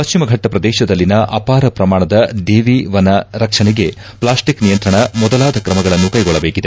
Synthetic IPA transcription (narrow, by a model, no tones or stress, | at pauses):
pɐʃt͡ʃimɐɡʱɐʈːɐpɾɐd̪ɛːʃɐd̪ɐlːinɐʔɐpaːɾɐpɾɐmaːɳɐd̪ɐd̪eːʋiʋɐnɐɾɐkʂɐɳeɡe̞ | plaːsʈiknijɐnt̪ɾɐɳɐmɔd̪ɐlaːd̪ʱɐkɾɐmɐɡɐɭɐnːukɐjɡɔɭːɐbeːkid̪e̞